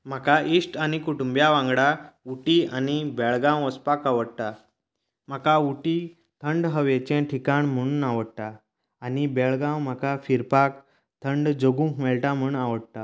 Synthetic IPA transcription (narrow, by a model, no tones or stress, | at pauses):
m̤akaʔisʈanikuʈumbjaʋãŋɡɽauʈianibɛɭɡãwəspakaʋəɽt̪a | m̤akauʈi | t̪ʰəɳɖɦəʋjet͡ɕẽʈʰikaɳm̤əɽ̃uːnaʋəɽt̪aː | nibeɭɡãwm̤akafiɾpak | t̪ʰəɳɖd͡zoɡũkmɛɭʈam̤uɳaʋəɽt̪a